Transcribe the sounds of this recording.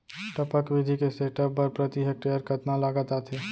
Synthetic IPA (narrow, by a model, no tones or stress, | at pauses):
ʈəpəkʋid̪ʱikeseʈəpːəɾpɾət̪iɦək̚ʈejəɾkət̪nalaɡət̪at̪ʰe